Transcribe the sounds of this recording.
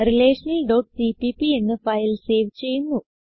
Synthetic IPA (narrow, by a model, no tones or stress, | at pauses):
rileːʂɐnɐlɖɐwʈsipipie̞nːɨfɐjlse̞ːʋt͡ɕːe̞junːu